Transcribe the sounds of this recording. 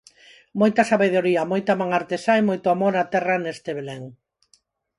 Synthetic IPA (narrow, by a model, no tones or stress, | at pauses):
mojt̪ɐsaβeð̞oɾiɐmojt̪amãŋaɾt̪esaemojt̪ʊamoɾat̪ɛranest̪eβeleŋ